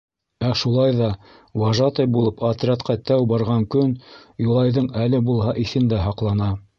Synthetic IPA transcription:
æʃulˠɑjðɑ | wɑʒɑt̪ɤjbulˠɤpɐt̪ɾʲɑt̪qʰɑt̪æwbɑɾʁɑŋkɵnjulˠɑjðɤɴælɘbulˠɦɑʔiθɘ̆nd̪æɦɑqlˠɑnɑ

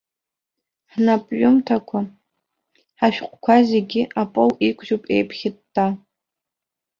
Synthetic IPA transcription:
ħnapʼɥʊmtʰakʷʰa | ħaʃᶣqʷʼkʷʰazeɡʲɪʔapʼowikʷʰʼʒupʼḛjpʰχʲɪtː | a

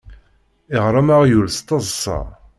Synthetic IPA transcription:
iʁɾˤɑmaʁjulst̪ˤɑzˤsɑ̰

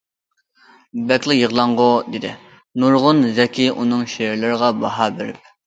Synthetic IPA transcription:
bɛkʲlˠɨjəʁlˠɑɴʁʊd̪ed̪ɪ̰ | nuɾʁʊnzɛkʲʰiʔunɨŋʃeɾlɪɾəʁɑbɑ̰ɦɑbɪɾɪ̰p̚

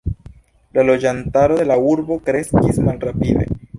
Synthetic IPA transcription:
lalo̞d͡ʒantaɾo̞de̞lauɾbo̞kɾe̞skismalrapid̪e̞̰

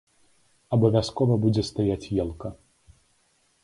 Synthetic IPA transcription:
ɐbɐvʲaskɔvɐbud͡zʲɛst̪ajat͡sʲjɛlˠkɐ

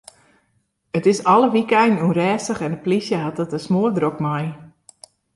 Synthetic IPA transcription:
ətɪsɔləʋikɛjnnurɛːstəxɛnəplisjəɦɑt̚dətəsmoədrokmaj

